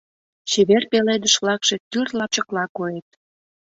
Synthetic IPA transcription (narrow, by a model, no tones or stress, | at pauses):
t͡ɕeβerpeled̪əʃβlɑkʃet̪yrlɑp̚t͡ɕəklɑkojet̪̚